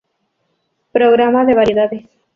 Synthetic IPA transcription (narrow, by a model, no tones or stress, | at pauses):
pɾoɡɾamad̪eβaɾid̪ad̪e